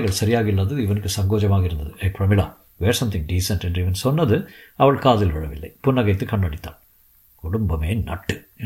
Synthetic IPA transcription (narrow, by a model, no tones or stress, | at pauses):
ɣɐɭsɐɾɪjaːɣɐɪlːɐðɯɪʋɐnɯkːɯsɐŋɡoːd͡ʒɐmaːɣɐɪɾɯnd̪ɐðɨʔɐɪfɾɐmɪɭa̰ː | ʋeːɾsɐmt̪ʰɪ̃ŋɖiːsɐnʈɛɳɖiʋɐnsɔnːɐðɯɐʋɐɭkaːðɪlʋɐɻɐʋɪ̰lːɐ̰ɪpʊnːɐɣɐɪt̪ːɯkɐɳːɐɽɪt̪ːa̰ːl | kʊɽʊmbɐmeːnɐ̰ʈːɯ